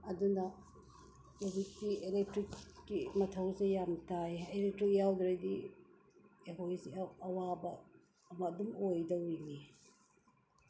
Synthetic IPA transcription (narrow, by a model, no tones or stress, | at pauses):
ɐdunɐ | ebitielek̚tɾikːimɐtʰɐwsejamtʰajelek̚tɾik̚jawdɾɐdi | eɦojziɐwabɐː | mɐdumojdɐujni